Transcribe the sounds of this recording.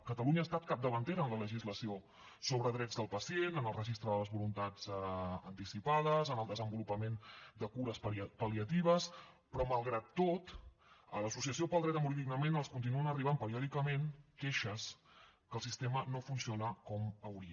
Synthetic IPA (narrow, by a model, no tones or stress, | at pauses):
kət̪əluɲəaːst̪at̪̚kap̚d̪əβ̞ənt̪eɾəːnlələʒizləsio | soβ̞ɾəðɾɛd͡zd̪əlˠpəsienənəlˠrəʒist̪ɾəðələzβulunt̪ad͡zənt̪isipað̞əzənəlˠd̪əzəmbulupəmend̪əkuɾəsppəliət̪iβ̞əs | pɾɔməlˠɣɾat̪ːot̪ | ələsus̬iəs̬iopəlˠd̪ɾɛt̪əmuɾiðiɡnəmenəlˠskunt̪̬inuənəriβampəɾiɔðikəmenkeʃəskəlˠsist̪emənofunsionəkɔməwɾiə